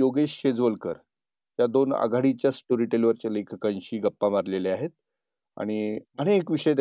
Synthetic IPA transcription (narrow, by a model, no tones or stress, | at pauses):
oɡeɕɕed͡zʋəlkəɾ | t̪jad̪ona̰ɡʱaɽit͡ɕjasʈoɾiʈelʋəɾt͡ɕalekʰkãnɕiːɡəpːamaɾleleaɦet̪̚ | a̰ɽ̃iəñekʋiʂəjd̪